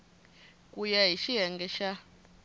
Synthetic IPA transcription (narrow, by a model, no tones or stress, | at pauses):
kʼujaɦiʃiɦɛŋɡɛʃa